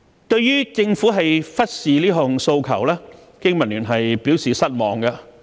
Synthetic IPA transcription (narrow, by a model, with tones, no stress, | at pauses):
t̪ɵ˧ɥjyː˥t͡sɪ˧ŋfuː˨˥ɦɐ˨jfɐ˥t̚siː˨liː˥ɦʊ˨ŋso˧wkʰɐ˨˩wlɛː˥ | kɪ˥ŋmɐ˨˩nlyː˨˩nɦɐ˨jpiː˨˥wsiː˨sɐ˥t̚mɔː˨ŋɡɐ˧